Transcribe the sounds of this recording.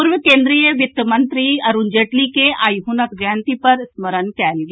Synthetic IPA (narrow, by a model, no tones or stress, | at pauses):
pʊɾʋəkẽːnd̪ɾijəʋɪt̪ːəmə̃nt̪ɾiɐɾund͡ʒeːʈlikeaːjɦunəkɡjaːnt̪ipɐɾsməɾənkɛːlɡe